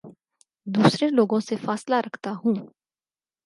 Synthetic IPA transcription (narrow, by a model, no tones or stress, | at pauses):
d̪uːsɾeloːɡõsefaːslaɾəkʰt̪aɦũː